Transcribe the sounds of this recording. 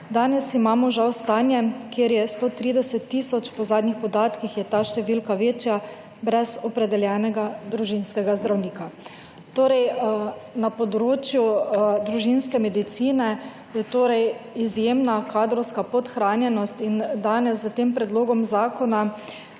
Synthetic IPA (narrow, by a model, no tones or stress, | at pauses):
d̪aːnɛsimaːmɔʒawst̪aːnjɛkjeɾjɛst̪oːt̪ɾiːd̪ɛsɛt̪ːisɔt͡ʃpɔzaːd̪nixpɔd̪aːt̪kixjɛt̪aʃt̪ɛʋilkaʋeːt͡ʃja | bɾɛzɔpɾɛd̪ɛljɛːnɛɡad̪ɾuʒinskɛɡazd̪ɾawniːka | t̪oːɾɛj | napɔd̪ɾoːt͡ʃjud̪ɾuʒinskɛmɛd̪it̪siːnɛ | jɛt̪oːɾɛjizjemnakʰaːd̪ɾɔwskapɔt̪xɾaːnjɛnɔst̪ind̪aːnɛszat̪empɾɛd̪loːɡɔmzaːkɔna